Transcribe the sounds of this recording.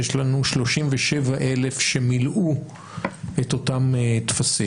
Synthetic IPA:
eʃlanuʃlo̞ʃimveʃevaʔe̞le̞fʃe̞milʔu | et̪o̞tamt̪fasi

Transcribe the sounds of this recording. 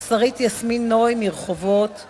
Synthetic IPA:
saʁit̪jasminːoimiʁχovot̪

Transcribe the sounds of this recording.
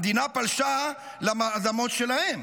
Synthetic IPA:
d̪inapalʃa | lamaʔzamo̞t̪ʃelahem

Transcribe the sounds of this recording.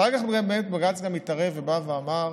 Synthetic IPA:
eɡaχɡabemet̪baɡat͡sɡamit̪aʁevːebaveamaʁ

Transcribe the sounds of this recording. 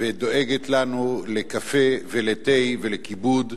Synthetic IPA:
ved̪o̞eɡet̪lanule̞kafe̞velet̪ejvelekibud̪

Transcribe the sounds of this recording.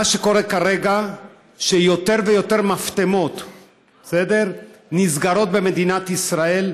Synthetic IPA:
aʃeko̞ʁekaʁeɡa | ʃejo̞t̪e̞ʁvejo̞t̪e̞ʁmaft̪emo̞t̪ | esed̪eʁnizɡaɾo̞t̪̚be̞me̞d̪inat̪isʁae̞l

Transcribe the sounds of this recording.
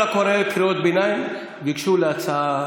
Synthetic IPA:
akʰɔɾekʰiɾoːd̪binaj | ʋikʃulat͡sʰa

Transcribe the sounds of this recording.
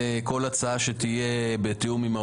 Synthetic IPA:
eko̞lat͡saaʃet̪ije̞bet̪iumima

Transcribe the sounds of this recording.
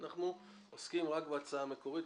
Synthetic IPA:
naχnu | oskimʁakbeat͡saame̞ko̞ʁit

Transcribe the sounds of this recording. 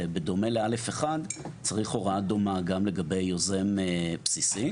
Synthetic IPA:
bed̪o̞melealefeχadt͡saʁiχo̞ʁad̪omaɡamle̞ɡabe̞jːozemepsisi

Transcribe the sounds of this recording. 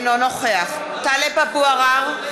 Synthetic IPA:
nɔnɔχeaχ | t̪alepapuaʁaʁ

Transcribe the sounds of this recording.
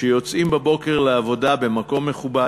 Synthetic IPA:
ejo̞t͡simbebo̞keʁleavo̞dabe̞mako̞mːe̞χuba

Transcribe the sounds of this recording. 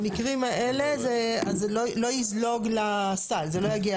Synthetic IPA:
mikʁimaʔe̞le̞zeazlolo̞jizlo̞ɡlasalzelo̞jaɡia

